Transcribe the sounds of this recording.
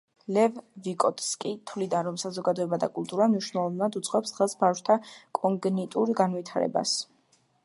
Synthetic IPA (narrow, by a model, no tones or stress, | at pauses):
lɛvvikʼɔt̪ʰskʼit̪ʰvlid̪anɾɔmsazɔɡad̪ɔɛbad̪a̰kʼulˠt̪ʼuɾamniʃnɛlˠɔvnad̪ut̪sʼqʼwɛpsχɛlˠsbaʃt̪ʰakʼɔŋɡnit̪ʼuɾɡanvit̪ʰaɾɛ̰ba̰s